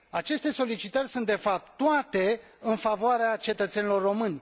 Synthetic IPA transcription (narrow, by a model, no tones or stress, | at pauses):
at͡ʃe̞st̪e̞so̞lit͡ʃit̪ərʲsunt̪̚d̪e̞fap̚t̪t̪ːoat̪e̞ | ɨnfavoaɾeat͡ʃe̞t̪ət̪se̞nilo̞rːo̞mɨnʲ